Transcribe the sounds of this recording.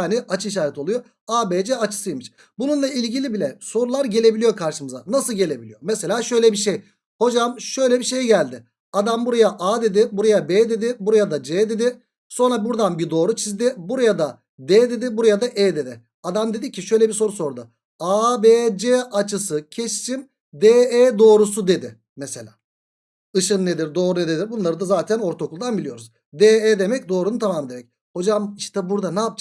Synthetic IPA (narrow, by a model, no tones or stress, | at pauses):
aniʔat͡ʃʰɯiʃ̬aːɾɛt̪ʰo̞lˠujo̞ | aːbeːd͡ʒɛat͡ʃʰɯ̥sɯjmɯʃ | bununlˠailʲɟilʲibilʲɛso̞ɾulˠaɾɟe̞lʲe̞bilʲijo̞kʰaɾʃɯmɯza̰nasɯlˠɟe̞lʲe̞bilʲijo̞mɛse̞lʲaːʃø̞jlʲɛbiʃej | ho̞d͡ʒamʃø̞jlʲɛbiʃe̞jiɟælʲd̪ɪ | ad̪ambuɾajaʔaːd̪e̞d̪ɪbuɾajabeːd̪e̞d̪ɪbuɾajad̪ad͡ʒeːd̪e̞d̪ɪ | so̞nɾabuɾd̪anbiɾd̪o̞ːɾut͡ʃʰizd̪ɪbuɾajad̪a | d̪eːd̪e̞d̪ibuɾajad̪aʔeːd̪e̞d̪ɪ | ad̪amd̪e̞d̪icʰiʃø̞jlʲɛbiɾso̞ɾuso̞ɾd̪ʊ | abeːd͡ʒɛat͡ʃʰɯsɯcʰeʃsin | d̪eeːd̪o̞ːɾusud̪e̞d̪ɪ | mɛselʲa̰ː | ɯʃɯnned̪iɾd̪o̞ːɾuned̪e̞d̪iɾbunlˠaɾɯd̪azaːt̪ʰæno̞ɾt̪ʰo̞klˠd̪anbilʲijo̞ɾuz | d̪eːeːd̪e̞mɛc̚d̪o̞ːɾunut̪ʰamaːmɯd̪emɛc̚ | ho̞d͡ʒamiʃt̪ʰɛbuɾd̪anaːp̚t͡ʃ